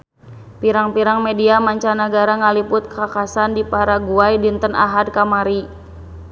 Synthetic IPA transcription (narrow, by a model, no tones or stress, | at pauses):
piɾaŋpiɾaŋmediamaɲt͡ʃanəɡaɾaŋalipʊt̪̚kakasandipaɾaɡuajdint̪əna̰ɦad̚kamaɾi